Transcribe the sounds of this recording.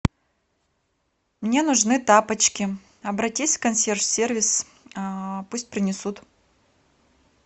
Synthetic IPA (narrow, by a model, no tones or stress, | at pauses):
mnʲe̞nʊʐnɨt̪apət͡ɕkʲɪ | ɐbɾɐtʲisʲkɐnsʲerfsʲervʲɪs | pusʲt̚ʲpɾʲɪnʲɪsut̪